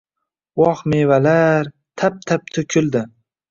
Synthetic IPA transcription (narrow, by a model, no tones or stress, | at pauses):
wɒχmevalaɾ | t̪ʰap̚t̪ʰap̚t̪ʰʊkʲʰʊld̪ɪ